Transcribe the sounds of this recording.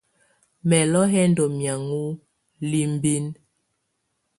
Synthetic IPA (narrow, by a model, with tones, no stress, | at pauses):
mɛ˨lɔ˦ɦɛ˦ndɔ˨mja˨ŋu˦ | li˦m˦bi˦n